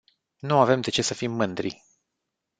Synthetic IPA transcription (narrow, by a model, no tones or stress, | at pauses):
nuave̞md̪e̞t͡ʃe̞səfimːɨnd̪ɾḭ